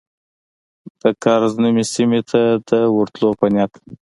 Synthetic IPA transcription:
d̪̥əkɑɾznəmesimet̪ʰad̪əwʊɾt̪lopanʲjɑt̪

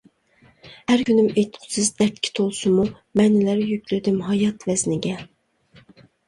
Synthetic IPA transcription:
hæɾkʰʲynymejt̪ʰqʰʊ̥sɨzd̪ɛɾt̪̚ʲkʲʰi̥t̪ʰolˠsʊmu | mɛnlæɾjykʲlɪd̪ymɦɑjɑt̪vɛznɪɡʲɛ

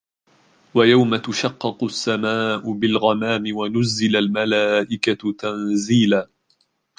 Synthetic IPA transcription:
wajawmat̪ʊʃɑqːɨqʊsːamaːʔʊbɪlɣamaːmɪwanʊzːɪlalmalaːʔɪkat̪anziːlaː

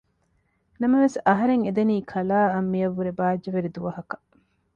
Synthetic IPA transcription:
nɐmɐʋesɐɦɐɾeŋed̪eniːkʰɐlaːɐmːiɐʋːuɾebaːd͡ʒːɐʋeɾid̪uʋɐɦɐkɐ̥

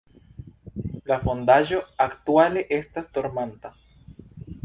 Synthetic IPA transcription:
lafo̞ndaʒo̞aktuale̞ʔe̞stasdo̞ɾmanta

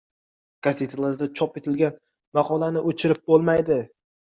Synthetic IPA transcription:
ɡ̥aset̪ʰalˠaɾd̪at͡ʃʰɒpet̪ʰɪlɡʲan | maqʰɒlˠanɪʔot͡ʃʰɪɾɪp̚bolˠmajd̪ɪ

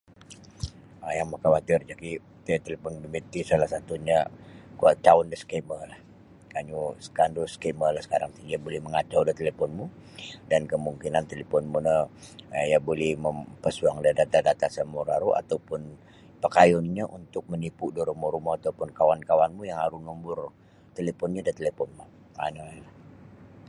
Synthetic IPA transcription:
əjaŋmakawat̪ɪrd͡ʒaki | t̪et̪elepɔnbəmit̪isalahsat̪uɲakuat͡ʃaʊndəsə̥keməlah | kaɲusə̥kandosə̥keməlahsə̥kaɾaŋt̪iŋiabolɛhməŋad͡ʒawdaht̪elepɔnmu | dankəmuŋkinant̪elepɔnmunə | jabolɛhməmpəsuaŋdadat̪adat̪asamuɾaɾuʔa̰t̪awpʊn | pəkajɔnɲəʔunt̪ʊk̚mənipudoɾumɔɾumaat̪awpʊnkawankawanmujaŋaɾunumbʊr | t̪elepɔnɲadat̪elepɔnma | analah

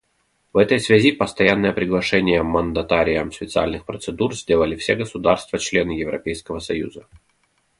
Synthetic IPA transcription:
vɛt̪əjsvʲæzʲipəst̪ɐjanːəjəpɾʲɪɡlˠɐʂɛnʲɪjəmənd̪ɐt̪aɾʲɪjəmspʲɪt̪sɨa̰lʲnɨxpɾət̪sɨd̪urzʲdʲe̞lˠəlʲɪfsʲeɡəsʊd̪arst̪vət͡ɕlʲe̞nɨjɪvɾɐ̰pʲejskəvəsɐjṵzə

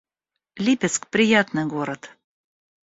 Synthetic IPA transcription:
lʲipʲet͡skpɾʲijat̪nɨ̆ɡoɾət̪

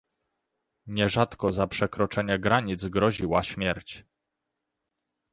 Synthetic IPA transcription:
ɲɛʐat̪kɔzapʂɛkɾɔt͡ʂɛɲɛɡɾaɲid̪zɡɾɔʑiwaɕmʲjɛɾt͡ɕ

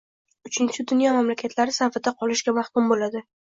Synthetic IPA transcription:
ʊt͡ʃʰɪnt͡ʃʰɪd̪ʊnjɒmamlakʲʰat̪ʰlaɾɪsafɪd̪aqʰɒlɪʃɡʲamahkʲʊmbolad̪ɪ

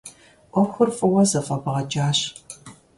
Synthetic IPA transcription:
ʔʷɔxʷʊrfʼɨwɐzɐfʼɐbʁɐt͡ʃʼaːɕ

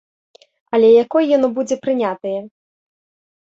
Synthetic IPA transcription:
ɐlʲɛjakɔjjanɔbud͡zʲɛpɾɨnʲat̪ɐjɛ

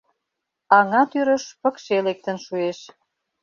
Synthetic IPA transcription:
ɑŋɑt̪yɾə̆ʃpə̆kʃelek̚t̪ə̆nʃueʃ

